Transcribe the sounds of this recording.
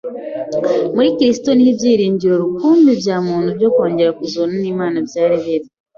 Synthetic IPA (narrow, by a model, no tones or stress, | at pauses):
muɾiciɾisi̥to̞nihiβjiːɾiːɲɟiɾo̞ɾukuːmbiɾjaːmuːnuβjo̞ːko̞ːɲɟe̞ɾakuzoːnaniːmaːnavjaːɾeβeɾe